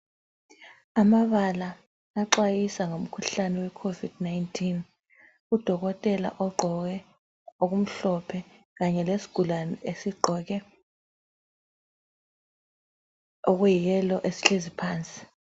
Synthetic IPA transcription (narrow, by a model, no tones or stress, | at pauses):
amaβalaː | ǃwajisaŋom̩kʰuɬanɛwɛkʰovid̥najntʰin | ud̥ʱɔk̬ɔtʼɛla̰ʔɔɡ͡ǃʱɔk̬ɛ | ok̬um̩ɬɔpʰɛ | kaɲɛlesi̥ɡ̥ʱulanɛʔesiɡ͡ǃʱɔk̬ɛ | ok̬ujijɛlɔʔesi̥ɬezipʰaːnt͡sʼi̥